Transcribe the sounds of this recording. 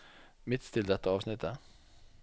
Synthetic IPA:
mɪt̪ːt̪ʰɪld̪ɛt̪ːəɑːʋsnɪt̪ʰːə

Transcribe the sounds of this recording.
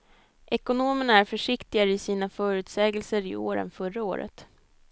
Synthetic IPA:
ʔɛkʊnoːməɳaæɾfœʂɪkt̪ɪɡaɾɪsiːnafœːɾʉ̟ːt̪sɛːɡəlsəɾɪo̰ːɾə̰nfœɾːao̰ːɾə̰t̪

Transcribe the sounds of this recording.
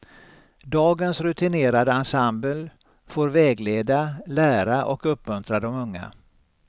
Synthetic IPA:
d̪ɑːɡənsɾɵt̪ʰɪneːɾad̪əansambəl | foːɾvɛːɡleːd̪alæːɾaʔɔkɵpːmɵnt̪ɾad̪ɔmɵŋːa̰

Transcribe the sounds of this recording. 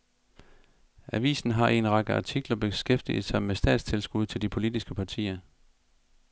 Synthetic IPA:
ʔæʋḭːsn̩ɦɑ̈ʔe̝nʁɑ̈ɡ̥əɑ̈t͡sʰiɡ̥lɐb̥e̝sɡ̥efd̥ḭð̩ˠsɑ̈ɪmesd̥ɛ̰ːd̥st͡sʰelsɡ̥uð̞̰ˠt͡sʰe̝ld̥ipʰo̝lid̥isɡ̥əpʰɑ̈t͡sʰḭːɐ

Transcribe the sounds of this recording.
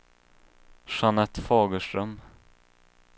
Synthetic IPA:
ʂanɛt̪ːfɑːɡəʂʈɾœm

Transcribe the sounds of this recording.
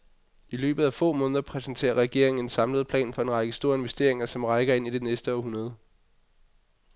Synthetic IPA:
ʔilø̰ːb̥ð̩ˠæfɔ̰̽ːmɔ̽ːnðˠɐpʰʁɛsnt͡sʰe̝̰ːɐʁɛɡ̥e̝ɐ̰e̝ŋ̩e̝nsɑ̈mləð̞̩ˠpʰlɛ̰ːnfɒ̽e̝nʁɑ̈ɪɡ̥əsd̥o̝ːɐ̰e̝nʋesd̥e̝̰ɐ̰e̝ŋɐsɒ̽mʁɑ̈ɪɡ̥ɐe̝n̰id̥e̝nesd̥əɒɦunɐð̞ˠ

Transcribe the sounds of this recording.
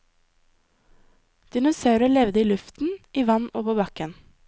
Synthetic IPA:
d̪̥ɪnʊsɑʉɾəɭɛʋd̪əiːlʉft̪n̩ʔiːʋɑnoːʋəbɑkən

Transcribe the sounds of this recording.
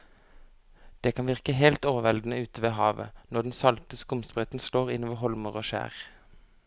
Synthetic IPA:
d̪̥eːkʰɑnʋɪʁkəɦelt̪oːʋəʋɛld̪n̩əʉːt̪əʋeːɦɑːʋə̰nɔɖ̪ɛn̩sɑlt̪əskʊmspʁœt̪n̩sloːʁɪnʋəɦɔlməʁoːʃæ̰ːʁ

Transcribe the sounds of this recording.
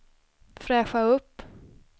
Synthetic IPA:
fɾɛːɧaɵpː

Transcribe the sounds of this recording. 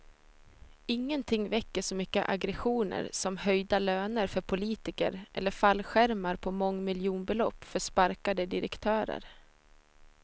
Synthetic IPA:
ɪŋːənt̪ʰɪŋːvɛkːəʂɔmʏkːə̰ʔaɡɾɛɧuːnə̰ɾsɔmhœjd̪aløːnəɾfœɾpʰʊliːt̪ɪkə̰ɾʔɛ̰lːəɾfalːɧæɾmaɾpʰɔmɔŋːmɪljuːnbɛlɔpːfœʂpaɾkad̪əd̪ɪɾɛ̰kt̪ʰœːɾə̰ɾ

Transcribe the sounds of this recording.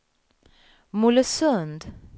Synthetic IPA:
muləsɵnd̪

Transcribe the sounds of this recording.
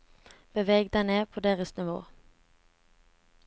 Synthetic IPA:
b̥əʋɛːɡd̪aneːpʰoːd̪eːʁəsnɪʋo̰ː

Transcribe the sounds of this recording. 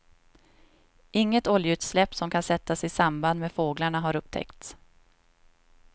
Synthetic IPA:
ʔɪŋːət̪ɔljəʉ̟ːt̪slɛpːsɔmkʰansɛt̪ːasɪsamband̪meːd̪foːɡlaɳaɦaɾɵp̚t̪ʰɛ̰kt̪s

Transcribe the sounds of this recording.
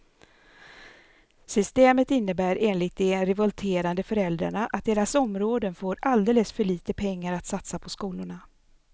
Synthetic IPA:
sʏst̪eːmət̪ɪnːəbæːɾʔeːnlɪt̪̚d̪ɛɾɛvɔlt̪ʰeːɾand̪əfœɾɛld̪ɾa̰ɳaʔa̰t̪̚d̪eːɾasɔmɾoːd̪ənfoːɾald̪eːləsfœɭiːt̪əpʰɛŋːaɾat̪sat̪sapʰɔskuːlʊɳa

